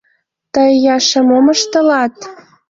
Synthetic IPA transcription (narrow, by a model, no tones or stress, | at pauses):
t̪əjjɑʃə̆moməʃt̪ə̆lɑt̪